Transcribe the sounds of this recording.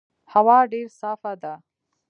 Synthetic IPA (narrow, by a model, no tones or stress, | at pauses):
hɐwaːɖeːɾsaːfaːd̪aː